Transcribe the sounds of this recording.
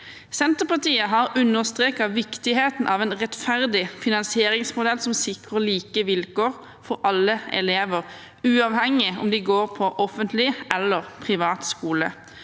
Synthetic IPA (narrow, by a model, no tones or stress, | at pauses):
sɛnt̪əpɑt̪iːəɦɑʁʉnːəʁst̪ʁeːkɑʋɪkt̪ɪheːt̪n̩ʔɑʋɛːnʁɛt̪fæʁd̪ɪfɪnɑnsɪeːʁɪŋsmʊd̪ɛlsɔmsɪkʁəliːkəʋɪlkoːʁ | fɔʁʔɑlːəɛ̰leːʋəʁ | ʉːɑʋhɛŋɪɔ̰md̪ɪɡoːʁpʰɔʔɔfənt̪lɪʔɛlːəʁpʰʁɪʋɑːt̪skuːlə̰